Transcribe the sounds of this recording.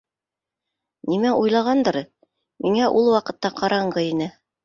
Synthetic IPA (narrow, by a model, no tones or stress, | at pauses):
nimæʔujlˠɑʁɑnd̪ɤ̆ɾɤ | mʔiŋæʔulˠwɑqɤ̆t̪ːɑqɑɾɑɴɢɤinɘ